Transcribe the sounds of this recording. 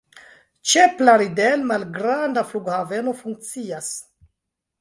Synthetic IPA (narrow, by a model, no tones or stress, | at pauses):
t͡ʃe̞plaɾidelmalɡɾandafluɡhave̞no̞fuŋk̚t͡sias